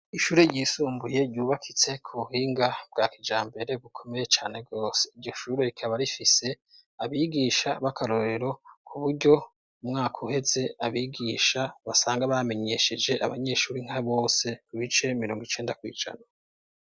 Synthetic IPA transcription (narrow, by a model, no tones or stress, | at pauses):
iʃuːɾeɾɟiːsuːmbuje̞ɾɟuːβakʰit͡se̞kʰuβuhiːŋɡab̥̚ɡaːkid͡ʒaːmbe̞ɾe̞ɡukʰo̞me̞jet͡ʃaːne̞ɡo̞ːse̥iɾɟo̞ʃuːɾe̞ɾikʰaβaɾifise̞ | aβiɡiːʃaβakʰaɾo̞ɾe̞ɾo̞kʰuβuɾɟo̞ | umŋaːkʰuhe̞z̥e̞aβiɡiːʃaβasaːŋɡaβame̞ɲe̞ʃe̞d͡ʒe̞ʔa̰βa̰ɲe̞ʃuːɾiŋ̥haβo̞ːse̞kuβit͡ʃe̞miɾo̞ːŋɡit͡ʃe̞ːndakwḭːd͡ʒa̰na